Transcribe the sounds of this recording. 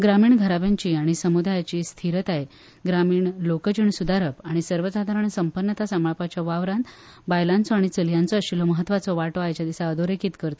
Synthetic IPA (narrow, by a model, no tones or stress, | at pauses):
ɡɾamiːɳɡʱəɾabjaɲt͡ɕiːaɽ̃isəmud̪ʱajat͡ɕiːst̪ʰiɾət̪aɦe | ɡɾamiːɳlokəd͡ʑəɳsud̪aɾəpaɽ̃isəɾʋət͡sad̪ʱaɾəɳsəmpəɾɳət̪asamɭapat͡ɕjaʋaʋɾãnd̪ | bajlãnt͡sɔaɽ̃it͡səljãnt͡sɔəɕilɔməɦət̪ːʋat͡sɔʋaʈɔajt͡ɕjad̪isaəd̪oɾekiːt̪kəɾt̪a